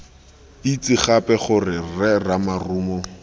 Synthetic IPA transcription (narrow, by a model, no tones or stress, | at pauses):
it͡sɪχapɛχʊrɪrɛramaruːmɔ